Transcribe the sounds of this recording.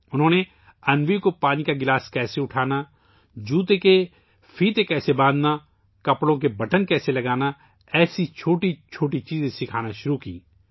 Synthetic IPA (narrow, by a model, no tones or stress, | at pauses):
ʊnɦõːne | ɐnʋikopaːnikaɡɪlaːskɛːseʊʈʰaːna | d͡ʒuːt̪̬eke | fʰiːt̪ekɛːsebãːd̪na | kɐpɽõk̬ebɐʈənkɛːselɐɡaːna | ɛːsit͡ʃʰoːʈit͡ʃʰoːʈit͡ʃiːzẽsɪkʰaːnaʃʊɾukiː